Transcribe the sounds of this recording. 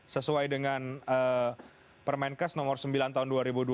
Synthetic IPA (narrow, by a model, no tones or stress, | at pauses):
səsuajdəŋanə | pərmainkasnɔmɔrsəmbilant̪aɦunduaɾibudu